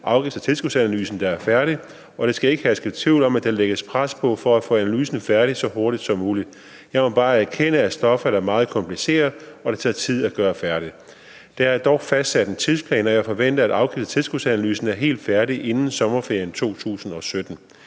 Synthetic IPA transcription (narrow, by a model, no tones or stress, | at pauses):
ʔɑ̈ʊɡ̥ifd̥ɐ̥t͡sʰe̝lsɡ̥usænælyːsn̩d̥ɑ̈æɐfæɐɾi | ɒ̽ɾ̥e̝sɡ̥æe̝ɡ̥əhæsɡ̥e̥t͡sʰiʊ̰lɒ̽mæd̥eleɡ̥əspʰʁaspʰɒ̽fɒ̽æfɔ̰ːænælyːsn̩fæɐɾisɒ̽ɦoɐɾ̥id̥sɒ̽mːuːlid̥ | jɑ̈ɪmɒ̽b̥ɑ̈ːæɐkʰen̰əæsd̥ɒ̽fɐɾ̥ɑ̈ɐmɑ̈ːð̞̩ˠkʰɒ̽mpʰlise̝̰ːɐð̩ˠɒ̽d̥ɑ̈t͡sʰɑ̈t͡sʰið̞̰ˠæɡ̥ɶːɐfæɐɾ̥i | d̥ææɐd̥ɒʊfæsd̥sæd̥nt͡sʰiðˠspʰlɛ̰ːnɒ̽jɑ̈ɪfɒ̽ʋen̰d̥ɐæd̥ɑ̈ʊɡ̥ifd̥ɐ̥t͡sʰe̝lsɡ̥usænæly̰ːsn̩æɐɦe̝̰ːld̥fæɐɾiʔe̝nn̩sɒ̽mɐfe̝ɐjənt͡sʰo̝̰ːt͡sʰṵːsn̩ɒ̽sød̥n̩